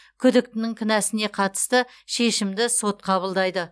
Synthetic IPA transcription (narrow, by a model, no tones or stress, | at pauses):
kʲʰʏd̪ɪk̚t̪ɪnɪŋkʲʰɪnæsɪne̞qʰɑt̪ə̥st̪əʃe̞ʃɪmd̪ɪso̞t̪̚qʰɑβəlˠd̪ɑjd̪ə